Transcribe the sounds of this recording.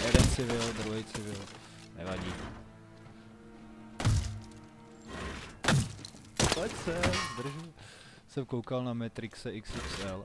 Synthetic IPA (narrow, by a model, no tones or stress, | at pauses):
ɛdɛnt͡sɪvɪld̪ɾuɦɛjt͡sɪvɪl | nɛvaɟiː | pɛcsɛd̪r̩ʒ | sɛmkowkalnamɛt̪ɾɪksɛʔɪksɪksɛl